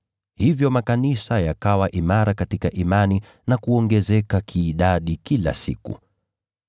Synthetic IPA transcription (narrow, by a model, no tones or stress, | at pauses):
hivjɔmakanisajakawaʔimaɾakatikaʔimani | nakuɔŋɡɛzɛkakʰiːɗaɗikila̰sḭkṵ